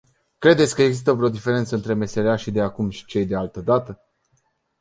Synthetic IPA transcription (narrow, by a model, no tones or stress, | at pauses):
kɾe̞d̪et̪sʲkəeɡzist̪əuvɾeo̞d̪ife̞ɾe̞nt̪səɨnt̪ɾe̞me̞se̞ɾeaʃid̪eakumʃi̥t͡ʃe̞jd̪e̞alt̪əd̪at̪ə